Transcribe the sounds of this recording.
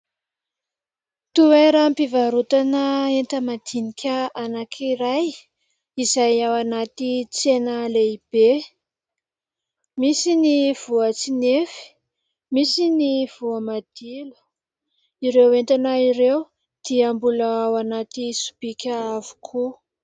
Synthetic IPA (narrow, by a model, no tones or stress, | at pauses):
t̪ueɾəmpivaɾut̪anəent̪əmad̪̥inikʲəanakʰiɾaj | izajawanat̪it͡senəleib̥e | misiniv̥uat͡sinefi̥ | misiniv̥uamad̪̥ilu̥ | iɾewent̪anaiɾew | d̪̥iambulaawanat̪isu̥b̥ikʲəavu̥kʰu